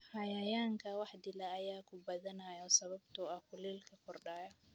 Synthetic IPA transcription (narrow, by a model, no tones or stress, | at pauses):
hɐjɐjaːŋkʰɐwɑħd̪ɪlɐːjaːkʰʊbɐðɐnaːjɔsɐβɐbt̪ʰɔːɐkʰʊliːlkʰɐkʰɔrɖaːjɔ